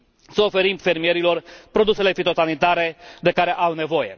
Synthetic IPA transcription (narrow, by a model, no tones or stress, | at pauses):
səofe̞ɾimfe̞rmije̞ɾilo̞rpɾo̞d̪use̞le̞fit̪o̞sanit̪aɾe̞d̪e̞kaɾe̞ʔawne̞vo̞je̞̰